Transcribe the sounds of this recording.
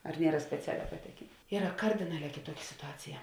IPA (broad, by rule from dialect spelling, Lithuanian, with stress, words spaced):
ɐr ˈnʲiɛrɐ sʲpʲɛˈt͡sʲæːlʲæː pɐˈtʲæːkʲeːn ˈiːrɐ ˈkɐrʲdʲɪnɐˌlʲɛː kʲeːˈtuɔkʲɪ sʲɪtʊˈɑːt͡sʲɪjɛ